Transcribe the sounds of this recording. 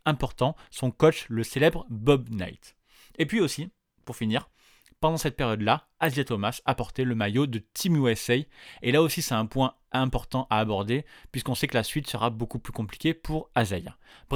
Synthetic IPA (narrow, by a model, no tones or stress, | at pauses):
ɛ̃pɔʁt̪ɑ̃sɔ̃kɔt͡ʃləselɛbʁəbɔbna̰jt̪ | epɥiosi | puʁfiniʁ | pɑ̃d̪ɑ̃sɛt̪̚peʁjɔd̪la | azjat̪ɔmasapɔʁt̪ɛləmajod̪ət̪ʰimuɛsɛjelaosisɛt̪ɛ̃pwɛ̃ | ɛ̃pɔʁt̪ɑ̃ʔaːbɔʁd̪epɥiskɔ̃sɛkəlasɥit̪səʁabokuplykɔ̃pli̥kʲepʰuʁazaja̰ | bʁ